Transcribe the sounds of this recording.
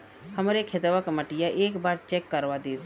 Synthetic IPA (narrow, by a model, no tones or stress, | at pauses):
həmɾekʰet̪əʋakməʈɪjaʔeːkbaːɾt͡ʃeːkːəɾʋad̪eːt̪